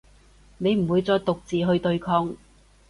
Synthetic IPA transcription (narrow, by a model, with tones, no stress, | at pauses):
ne˨˧jm̩˨˩wuː˨˧jt͡sɔː˧jt̪ʊ˨k̚t͡siː˨ɦɵ˧ɥt̪ɵ˧ɥkʰɔː˧ŋ